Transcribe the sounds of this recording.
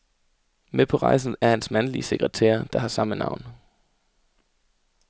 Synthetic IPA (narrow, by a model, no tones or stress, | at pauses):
mepʰɒ̽ʁɑ̈ɪs̬n̩ˠæɐhænsmænlise̝ɡ̥ʁət͡sʰḛːɐd̥ɑ̈hɑ̈sɑ̈mənɑ̈ʊ̰n